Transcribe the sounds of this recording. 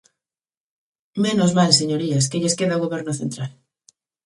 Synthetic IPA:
menozmalseɲoɾiaskeʎeskeðaoɣoβɛɾnʊθent̪ɾal

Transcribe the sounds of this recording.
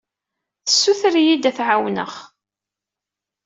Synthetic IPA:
θəsːuθɾjid̪æθʕawnə̰χ

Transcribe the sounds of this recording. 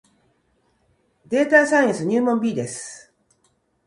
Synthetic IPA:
d̪e̞ːt̪asaj̃ãsɨɲ̟ɨːmõmbʲiːd̪e̞sɨ̥

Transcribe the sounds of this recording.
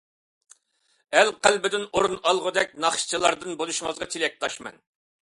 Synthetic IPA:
ælqʰælbɪd̪ɪnoɾunɑlˠʁʊd̪ɛk̚ʲnɑχʃt͡ʃʰilˠɑɾd̪ɨnbolˠuʃŋəzʁɑt̪ʰelɛk̚t̪ʰɑʃmɛ̰n

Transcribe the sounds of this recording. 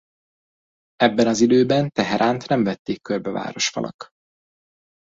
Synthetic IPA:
ɛbːɛnɒzid̪øːbɛnt̪ɛɦɛɾʔaːnt̪nɛɱvɛt̪ːeːkːørbɛva̰ːɾo̞ʃfɒ̰lʔɒ̰k

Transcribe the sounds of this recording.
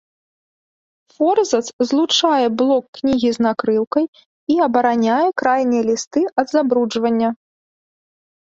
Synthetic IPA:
fɔrzɐt̪szlˠut͡ʂajɛblˠɔkːnʲiɣʲiznakɾɨwkɐj | iɐbɐɾanʲajɛkɾajnʲijɛlʲist̪ɨɐd̪zabɾud͡ʐvɐnʲːɐ

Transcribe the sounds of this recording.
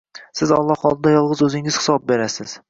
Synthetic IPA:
sɪzɒlˠːɒhɒlˠd̪ɪd̪ajɒlˠʁɨzɵzɪŋɪz̥hɪ̥sɒb̚be̞ɾasɪz̥

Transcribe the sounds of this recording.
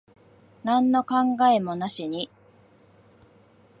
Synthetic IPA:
nãnːo̞kãŋɡaemo̞naɕiɲ̟i

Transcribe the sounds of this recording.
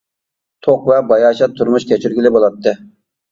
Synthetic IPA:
t̪ʰoqvɛbɑjɑːʃɑt̪ʰːuɾmuʃkʲʰɛt͡ʃʰyɾɡʲilɪbolˠɑt̪ʰːɨ

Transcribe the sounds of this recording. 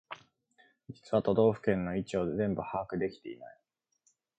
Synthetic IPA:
i̥t͡sɨβat̪o̞d̪o̞ːɸɯ̟̥kẽ̞nːo̞it͡ɕio̞zẽ̞mbɯ̟haːkɯ̟d̪e̞kʲi̥t̪e̞ḭna̰i

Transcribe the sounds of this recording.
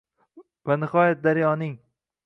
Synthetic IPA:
vanɪχɒjat̪̚d̪aɾɪjɒnɪŋ

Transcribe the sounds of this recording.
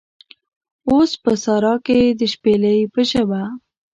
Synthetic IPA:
ospəsɑɾɑked̪əʃpeləjpəʃəba

